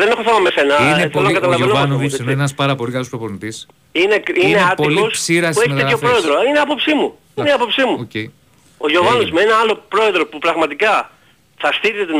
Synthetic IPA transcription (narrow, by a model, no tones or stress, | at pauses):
ðe̞ne̞xoθemɐmese̞nɐieθlonɐkɐt̪ɐlɐvenoɐnosineenɐspɐɾɐpo̞likɐlo̞spɾopoɾnit̪is | ine̞kineeɐtpoiliossiɾɐseçt̪t̪eeopɾo̞e̞ðɾosineɐpo̞psimu | ineiɐpo̞psimuocei | oʝo̞vɐnozme̞nɐɐlo̞pɾo̞e̞ðɾo̞pupɾɐɣmɐt̪ikɐ | θɐst̪iɾit̪et̪e